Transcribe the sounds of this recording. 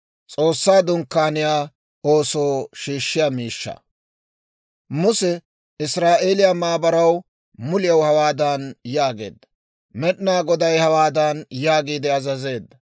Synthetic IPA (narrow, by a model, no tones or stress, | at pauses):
t͡sʼo̞ːsːaːd̪ʊŋkːaːnɪjaː | o̞ːso̞ːʃiːʃːɪjaːmiːʃːɐ̰ | mʊsɛ | ɪsɾaːʔe̞ːlɪjamaːbɐɾɐw | mʊlɪjɐwhɐwaːd̪ɐnjaːɡe̞̰ːd̪ːɐ | mɛɗnaːɡɔd̪ɐjhɐwaːd̪ɐnjaːɡiːd̪ɛɐzɐze̞ːd̪ːɐ